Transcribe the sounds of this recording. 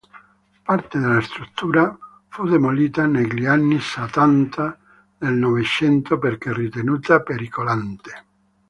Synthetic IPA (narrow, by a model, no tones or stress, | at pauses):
part̪ed̪elast̪ɾut̪ːuːɾa | fud̪emoliːt̪aneʎianːisat̪ant̪ʰa | nelnɔvet͡ʃɛnt̪operkerit̪enuːt̪apeɾikolant̪e̥